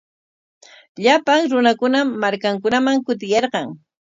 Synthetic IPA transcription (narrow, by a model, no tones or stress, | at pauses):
ʎapaŋɾʊnakʊnamaɾkaŋkʊnamaŋkʊt̪ɪjɑɾqɑŋ